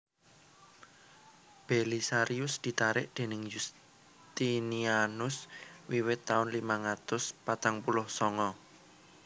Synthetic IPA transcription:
b̥elisaɾiʊsd̪̥i̤t̪aɾɪʔd̪̥e̤nɪŋjus | t̪inianʊswiwɪt̪ːaʊnlimaŋat̪ʊspat̪aŋpulʊhsɔŋɔ

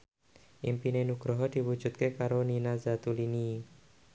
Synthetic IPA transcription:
ʔimpinenuɡ̥ɾoɦɔd̥i̤wud̥ʒ̥ṳt̪̚kekaɾoninazat̪ulini

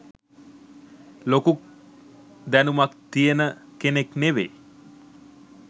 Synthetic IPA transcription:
lokuk̚ | d̪ænumak̚t̪ijənəkenekneʋe

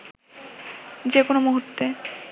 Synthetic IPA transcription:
d͡ʑekonomoɦuɾt̪ːe

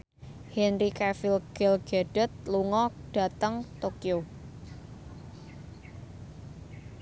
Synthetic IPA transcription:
hɛnɾikɛfilɡ̥ɛlɡ̥eɖ̥ɛt̪̚luŋɔɖ̥a̤t̪əŋt̪okio

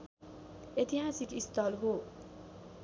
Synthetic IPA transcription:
et̪iɦasikist̪ʌlɦo

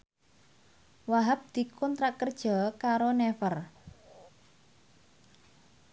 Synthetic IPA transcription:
waɦap̚d̪̥i̤kʰɔnt̪ɾaʔkərd̥ʒ̥ɔ̤kaɾonɛfər

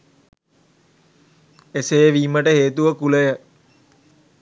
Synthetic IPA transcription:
esejəʋiːməʈəɦeːt̪uʋəkuləjə

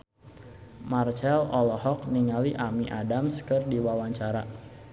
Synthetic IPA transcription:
mart͡ʃɛlɔlɔhɔk̚niŋaliʔamiʔadamskɨrdiwawaɲt͡ʃaɾa

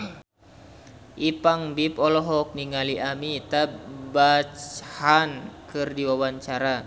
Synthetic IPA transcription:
ʔipaŋbipɔlɔɦɔk̚niŋaliʔamit̪abat͡ʃhankɨrdiwawaɲt͡ʃaɾa

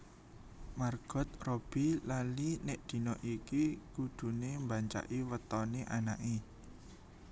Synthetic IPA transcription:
marɡ̥ɔ̤t̪̚rob̥i̤lalineʔd̪̥i̤nɔʔikikud̪̥ṳnembaɲt͡ʃa̰ʔiwət̪ɔneʔanaʔi

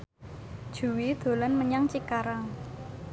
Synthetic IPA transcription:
d̥ʒ̥ṳwid̪̥o̤lanməɲaŋt͡ʃikaɾaŋ

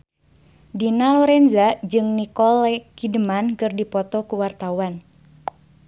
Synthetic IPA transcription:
dinalɔɾɛnzad͡ʒɨŋnikɔlɛkidəmankɨrdipɔt̪ɔkuwart̪awan

